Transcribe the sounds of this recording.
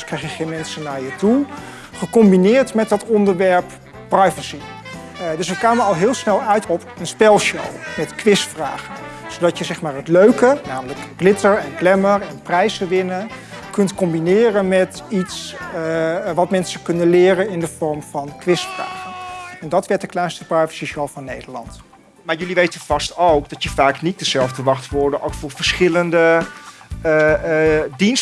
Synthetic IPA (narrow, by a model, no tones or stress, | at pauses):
skrɛjχjəχenmɛnsənaːɹjətu | χəkɔmbinɪːɹtmɛtd̚dɑtɔndəɹʋɛɹp | pːrɛjvəsi | dɵsʋəkaːməɑlˠɦɪːlˠsnɛlˠœɥtɔpənspɛlˠʃo̰wmɛtkʋɪstfraːχənsodɑtjəzɛχmaːɹɦətløɥkənaːmələkɡlɪtəɹɛnklɛməɹɛnprɛjsəʋɪnəkɵntkɔmbinɪːrənmɛtits | ʋɑtmɛnsəkɵndəlɪːrənɪndəv̥ɔɹmvɑnkʋɪstfra̰ːχəɛndɑtʋɛɹtdəklɛjnstəprɛɹvə̥sisɔlˠvɑnːejdəɹlɑ̰nt | maːɹjɵliʋejtənv̥ɑstowkdɑtjəfaːknit̚dəzɛlˠvdəʋɑχtʋʊɹdənʔokfʊːɹvəɹsχɪləndə | dins